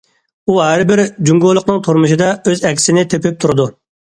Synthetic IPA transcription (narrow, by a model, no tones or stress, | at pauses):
uɦæɾbɪɾd͡ʒuŋɡolˠʊqnɨŋt̪ʰuɾmuʃ̬ɨd̪ɑøzɛkʲʰɪ̥sɪnɪt̪ʰøpʰɪp̚t̪ʰuɾɨd̪u